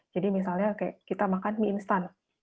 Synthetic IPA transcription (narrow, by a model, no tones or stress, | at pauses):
d͡ʒadimis̬alɲakajakit̪amakanmiinst̪an